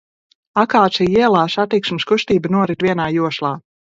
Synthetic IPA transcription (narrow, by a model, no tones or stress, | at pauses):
akaːt̪siiɛlˠaːsat̪iksmskuʃt̪iːbənuɔɾit̪viɛnaːjuɔʃlˠaː